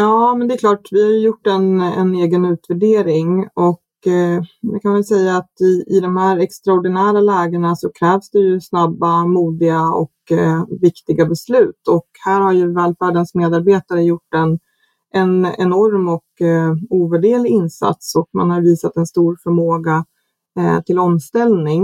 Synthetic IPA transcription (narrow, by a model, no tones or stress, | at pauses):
jɑːmɛnd̪ɛklɑːʈvɪhaɾjɵjʊʈːɛnɛ̰neːɡənʉ̟ːt̪væɖeːɾɪŋɔk | d̪ɛkʰanvɛlsɛjːaːt̪ɪɪ̰d̪ɔmhæɾɛkst̪ɾaɔɖɪnæːɾalɛːɡəɳasɔkʰɾɛːvsd̪ɛjɵsnabːamuːd̪ɪɡaɔ̰kvɪkt̪ɪɡabɛslʉ̟ːt̪ʰɔkhæːɾhaɾjɵvɛːlfæːɖənsmeːd̪aɾbeːt̪aɾəjʊʈːɛn | ʔɛnɛ̰nɔɾmɔkuːvæɖeːlɪɪnsa̰t̪sɔkma̰nhaɾviːsat̪ɛnst̪uːɾfœɾmoːɡa | t̪ʰɪlɔmst̪ɛlnɪŋ